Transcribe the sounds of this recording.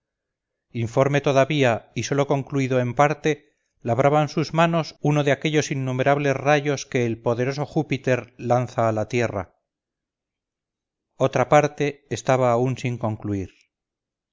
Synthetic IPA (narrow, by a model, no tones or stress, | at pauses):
iɱfo̞ɾme̞t̪o̞ðaβiaiso̞lo̞ko̞ŋkluiðoempaɾt̪e̞ | laβ̞ɾʔaβansuzmano̞suno̞ðeake̞ʎo̞sinːume̞ɾaβle̞zraʝo̞ske̞ːlpo̞ðe̞ɾo̞so̞xupit̪e̞ɾlanθaːlat̪je̞ra̰ | o̞t̪ɾapaɾt̪e̞ːst̪aβaːunsiŋko̞ŋkluiɾ